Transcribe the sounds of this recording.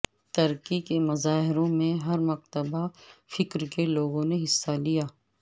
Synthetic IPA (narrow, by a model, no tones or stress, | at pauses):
t̪ɐɾkikemɐzaːɦɪɾõmẽɦɐɾmɐq̚t̪əbafɪkɾkeloːɡõneɦɪsːalijaː